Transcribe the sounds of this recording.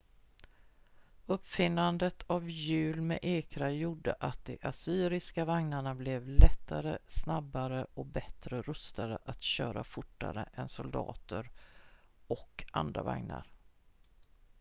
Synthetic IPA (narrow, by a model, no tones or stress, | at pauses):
ɵpːfɪnːand̪ət̪ʰavjʉ̟ːlmɛ̰ʔeːkɾajuɖːə̰ʔat̪̚d̪ɛʔasyːɾɪskavaŋnaɳablɛvlɛt̪ʰːaɾəsnabːaɾəɔk̚bɛt̪ɾəɾɵst̪ad̪ə̰ʔat̪ɕœːɾafʊʈːa̰ɾə̰ʔɛnsʊld̪ɑ̰ːt̪əɾ | ɔka̰nd̪ɾa̰va̰ŋna̰ɾ